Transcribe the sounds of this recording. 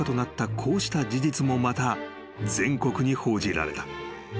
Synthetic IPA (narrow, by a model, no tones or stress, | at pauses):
at̪o̞nat̪ːakʰo̞ːɕi̥t̪ad͡ʑid͡ʑit͡sɨmo̞mat̪a | d͡zẽ̞ŋko̞kɯ̟ɲ̟iho̞ːd͡ʑiɾa̰ɾe̞̰t̪ḁ